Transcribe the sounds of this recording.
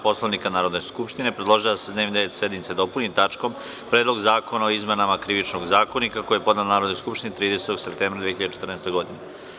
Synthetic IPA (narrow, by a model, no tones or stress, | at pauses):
po̞slaʋnikanaːɾod̪neskupʃt̪inepɾed̪lˠo̞ʒilased̪neʋnid̪eet̪sed̪nmit̪se̞d̪o̞punit̪at͡ʂko̞m | pɾeːd̪lˠo̞ɡzaːko̞naoizmenamakɾiʋit͡ʃnoɡzaːkonikakojijepo̞d̪nat̪lnaːɾod̪nojskupʃt̪init̪ɾiːd̪eset̪oɡ̥se̞pt̪eːmbɾad̪ʋieçiʎad̪et͡ʃet̪rneɛːst̪eɡo̞d̪ine